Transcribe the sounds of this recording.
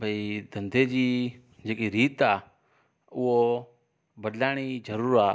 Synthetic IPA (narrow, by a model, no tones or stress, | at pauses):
bʱəid̪ʱə̃nd̪ʱeːd͡ʒiː | d͡ʒeːkiːɾiːt̪aː | ʊɦo | bəd̪laːɽ̃iːd͡ʒəɾuːɾaː